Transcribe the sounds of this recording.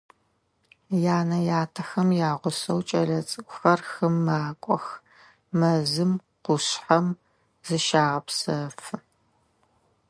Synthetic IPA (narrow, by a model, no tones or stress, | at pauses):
jaːnɐjaːtʰɐxɐmjaːʁʷʊsɐwt͡ʃʼɐɮɐt͡sʼɨkʷʼxɐrxɨmːaːkʷʼɔx | mɐzɨm | qʷʊɕħɐm | z̥ɨʃaːʁɐpsɐfɨ